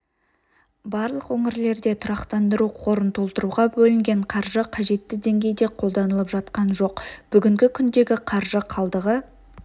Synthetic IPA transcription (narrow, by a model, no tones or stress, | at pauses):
bɑɾlˠəqwɵŋɪɾle̞ɾd̪e̞t̪ʰʊɾɑqt̪ɑnd̪əɾuqʰo̞ɾənt̪ʰo̞lˠt̪əɾuʁɑbɵlɪŋɡʲe̞ɴqʰɑɾʒəqʰɑʒe̞t̪ːɪd̪e̞ŋɡʲe̞jd̪e̞qʰo̞lˠd̪ɑnəlˠəpʒɑt̪qɑnʒo̞qb̥ʏɡʲɪŋɡʲɪkʲʰʏnd̪e̞ɡʲɪqʰɑɾʒəqʰɑlˠd̪əʁə